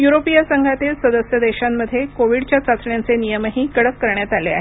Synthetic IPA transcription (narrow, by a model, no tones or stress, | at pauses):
juɾopijəsəŋɡʱat̪iːlsəd̪əsjəd̪eɕamːəd̪ʱːjekoʋiɽt͡ɕjat͡sat͡sɳjant͡senijəməɦiːkəɽəkːəɾɳjat̪alea̰ɦe